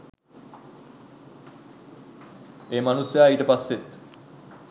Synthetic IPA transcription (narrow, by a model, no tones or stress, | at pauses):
eːmanusjaːejʈəpasːet̪